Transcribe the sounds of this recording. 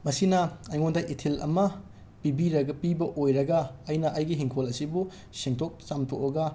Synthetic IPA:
mɐsinɐːjŋondɐʔitʰilɐ̰mɐ | pibiɾɐɡɐpibɐʔojɾɐɡɐːjnɐʔɐjɡiɦiŋkʰolɐsibu | siŋtʰok̚t͡ʃamtʰokɐɡɐ

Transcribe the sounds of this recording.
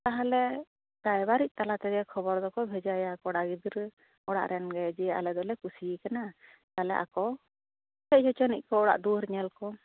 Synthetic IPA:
t̪aɦalɛ | ɾajbaɾic̚ˀt̪alat̪ɛɡɛkʰɔbɔɾd̪ɔkɔbʱɛd͡ʒajaakɔɽaɡid̪ɾ | ɔɽa̰ʔɾʔɛnɡɛd͡ʒɛa̰lɛd̪ɔlɛkusiikana | t̪alɛ̰ʔa̰kɔ | hɛc̚d͡ʒɔt͡ʃɔnic̚ˀkɔːɽa̰ʔd̪uɾɲɛlkɔ

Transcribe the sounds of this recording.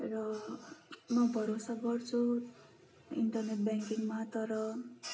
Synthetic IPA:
rʌ | mʌbʱʌɾosaɡʌrt͡sʰu | ḭnʈʌrneʈ̚bjaŋkiŋmat̪ʌɾʌ

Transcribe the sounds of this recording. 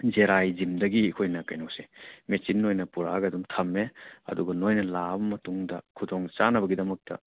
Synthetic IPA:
d͡ʒeɾajd͡ʒimdɐɡikʰojnɐkɐjnowse̥met͡ʃinːojnɐpuɾaɡɐdumtʰɐmːeɐ̰duɡɐnojnɐlabɐmɐtuŋdɐkʰudɔŋt͡ʃanɐbɐɡidɐmɐk̚tɐ̰

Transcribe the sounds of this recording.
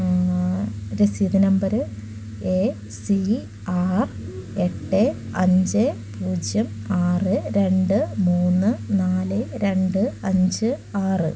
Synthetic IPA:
ɾesiðinɐmbɐɾ | e | si | aːr | eʈːe | ɐɲd͡ʑɨ | puːd͡ʑjɐmaːrɨɾe̞ɳɖɨmuːnːɨnaːlɨɾe̞ɳɖɨɐɲd͡ʑɨaːrɨ

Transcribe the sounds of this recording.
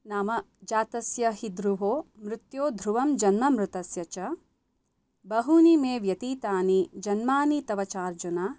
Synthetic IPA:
naːmɐd͡ʒaːt̪ɐsjɐɦid̪ɾuɦoːmɾɪt̪joːd̪ʱɾuʋɐmd͡ʒɐnmɐmɾut̪ɐsjɐt͡ʃɐ | bɐɦunimeːʋjɐt̪iːt̪aːnid͡ʒɐnmaːnit̪ɐʋɐt͡ʃaːɾd͡ʒunaː

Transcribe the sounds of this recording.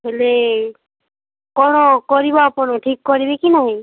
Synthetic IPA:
ɦele | kɔñɔkɔɹibɔapɔnɔʈʰikːɔɹibekinaɦi

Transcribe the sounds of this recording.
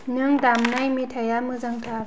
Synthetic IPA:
nɯŋdamnajmitʰajamɯzaŋt̪ʰa

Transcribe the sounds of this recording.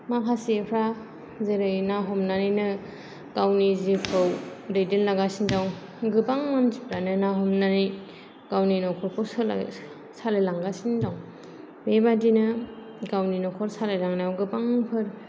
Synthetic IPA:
makʰasipʰɾa | zeɾɯjnaɦɔmnaninɯ | ɡawnizipʰɯwdejdɯnlaɡasindawŋ | ɡɯpaŋmanzipʰɾanɯnaɦɔmnani | ɡ̥awninɔkʰɔɾpʰɔw̰ | salelaŋɡasindawŋ | bebadinɯ | ɡawninɔkʰɔɾsalelaŋnaawɡɯpaŋpʰɯɾ

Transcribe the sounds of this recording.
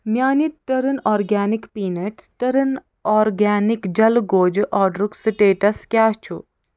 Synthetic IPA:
mʲjaːniʈɐɾənɔːɾɡaːnikpiːneʈʈɐɾən | ɔːɾɡaːnikd͡ʒɐlɡoːd͡ʒʔɔːɖɾuksiʈeːʈɐskʲjaːt͡ʃʰu

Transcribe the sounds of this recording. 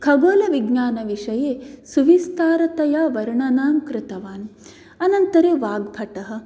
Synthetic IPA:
kʰɐɡoːlɐʋiɡnaːnɐʋiʂɐjeːsuʋist̪aːɾɐt̪ɐjaːʋɐɾɳɐnaːmkɾɪt̪ɐʋaːn | ɐnɐnt̪ɐɾeːʋaːɡbʱɐʈɐɦɐ̆

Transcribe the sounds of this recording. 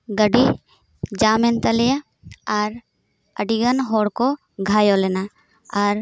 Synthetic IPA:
ɡəɖi | d͡ʒaːmẽnt̪ɐleja | aɾ | ə̰ɖiɡənɦoːɽko | ɡʱaːjoleːna | aːɾ

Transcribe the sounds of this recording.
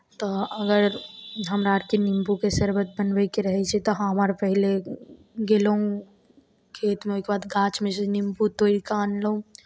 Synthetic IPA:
t̪oɐɡəɾɦɐmɾaːʈkinɪ̃mpukesɐɾbət̪̚bənbekeɾɐɦɛt͡ʃʰet̪oɦaɦɐmaːɾpɐɦɪle | ɡeloũ | kʰeːt̪mẽokebaːd̪ɡãːt͡ʃmẽsenɪ̃mput̪oːɾikaːnloũ

